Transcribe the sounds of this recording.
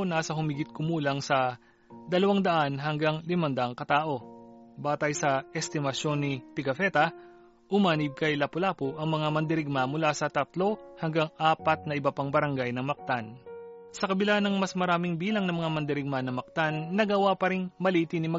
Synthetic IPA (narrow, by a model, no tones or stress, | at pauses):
naːsɐhʊmiɡɪt̪̚kʊmuːlɐŋsɐ | d̪ɐlɐwaŋd̪ɐʔanɦɐŋɡaŋlɪmɐnd̪ɐʔɐŋkɐt̪aːʔo̞baːt̪ɐjsɐɛst̪ɪmɐʃo̞nːɪt̪ɪɡɐfɛt̪ɐ | ʔʊmaːnɪb̚kɐjlɐpʊlaːpʊʔɐŋmɐŋamɐnd̪ɪɾɪɡ̚mamʊlasɐt̪ɐt̪lo̞hɐŋɡaŋʔaːpɐt̪̚nɐʔɪbɐpaŋbɐɾɐŋɡajnɐŋmɐk̚t̪ansɐkɐbɪlanɐŋmɐsmɐɾaːmɪŋbiːlɐŋnɐmɐŋamɐnd̪ɪɾɪɡ̚manɐmɐk̚t̪anːɐɡɐwapɐɾɪŋmɐliːt̪ɪnɪmɐ